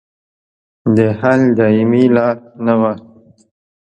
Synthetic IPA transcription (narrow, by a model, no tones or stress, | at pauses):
d̪əhald̪ɑimilɑɾnawa